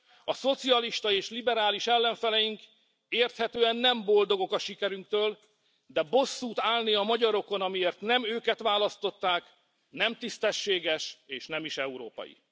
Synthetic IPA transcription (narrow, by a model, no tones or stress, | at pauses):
ɒso̞t̪siɒliʃt̪ɒeːʃlibɛɾaːliʃɛlːɛɱfɛlɛjiŋk | eːrt̪hɛt̪øːɛnːɛmbo̞ld̪o̞ɡo̞kɒʃikɛɾyŋk̚t̪øːl | d̪ɛbo̞sːuːt̪aːlniɒmɒɟɒɾo̞ko̞nɒmieːrt̪nɛmøːkɛt̪ʋaːlɒst̪o̞t̪ːaːk | nɛmt̪ist̪ɛʃːeːɡɛʃeːʃnɛmiʃɛuɾo̰ːpɒ̰jḭ